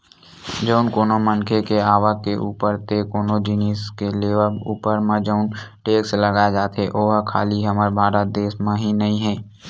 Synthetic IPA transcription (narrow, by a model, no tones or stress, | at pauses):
d͡ʒəʊnkoːnomənkʰekeaːʋəkeʔuːpəɾt̪ekoːnod͡ʒɪniskeleːʋəṵːpəɾmãd͡ʒəːʊn | ʈeːksləɡad͡ʒaːt̪ʰeʔoːɦakʰa̰ːliɦəməɾbʱaːɾət̪̚d̪eːsmẽɦinəĩɦɛ̃ː